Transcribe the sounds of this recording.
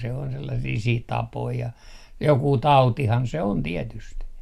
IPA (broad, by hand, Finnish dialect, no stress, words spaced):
se on selːɑsiː siːt tɑpoi jɑ jokuː tɑutihɑn se on tietyst